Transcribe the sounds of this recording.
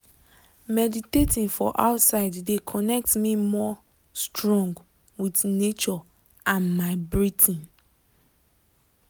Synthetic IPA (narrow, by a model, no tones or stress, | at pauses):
mɛditetʰĩnfɔʔa̰ʊtsaɪdːekʰɔnɛk̚tmimɔ | stɹɔ̃ŋɡ | witnet͡ʃɔ | ʔãnmaɪbɹitʰĩn